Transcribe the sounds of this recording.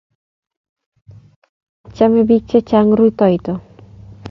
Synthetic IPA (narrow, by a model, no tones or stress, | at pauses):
att͡ɕamebik̚t͡ɕet͡ɕaŋɾujt̪ɔjt̪o